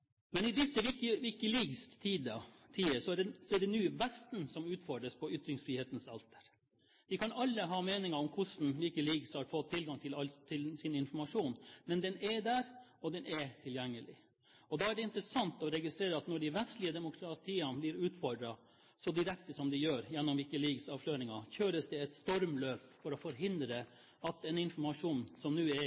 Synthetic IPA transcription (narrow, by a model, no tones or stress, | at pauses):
mɛnɪd̪ɪsːəʋɪkəʋɪkəliːɡst̪ʰiːd̪ɑt̪ʰiːəsɔæɖɛsɔæɖɛnyːʋɛst̪n̩sɔmʉːt̪fɔɖɾəspʰɔʏt̪ɾɪŋsfɾiːheːt̪n̩sɑ̰lt̪ə̥ɾ | ʋɪkʰɑnɑlːəɦɑːmeːnɪŋəɾɔmkʰʊʂn̩ʋɪkəliɡshɑɾfɔt̪ʰːɪlɡɑŋt̪ʰɪlɑlt̪ʰɪlsɪnɪnfɔɾmɑʂuːnmɛnd̪ɛnɛɖ̪æɾɔd̪ɛnʔɛt̪ʰɪljɛŋːəlɪ̰ | ɔd̪ɑːæɖɛɪnt̪ɾəsɑnt̪ɔɾɛɡɪst̪ɾeːɾəɑt̪nɔɖɪʋɛst̪lɪəd̪ɛmʊkʰɾɑt̪ʰiːɑnblɪɾʉːt̪fɔɖɾɑ | sɔd̪ɪɾɛk̚t̪əsɔmd̪ɪjøːɾjɛnːɔmʋɪkəliːɡsɑːʋʂløːɾɪŋɑçøːɾəsd̪ɛɛt̪st̪ɔɾmløːpfɔɾɔfɔɾɦɪnd̪ɾə | ɑt̪ɛnɪnfɔɾmɑʂuːnsɔmnʉːɛ